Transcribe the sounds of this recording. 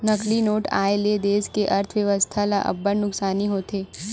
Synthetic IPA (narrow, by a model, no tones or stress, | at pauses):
nɐklinoːʈa̰ːeled̪eːskeʔɐɾt̪ʰʋjɐʋəst̪ʰalaʔɐ̰bːəɾnʊksaːniɦoːt̪ʰeː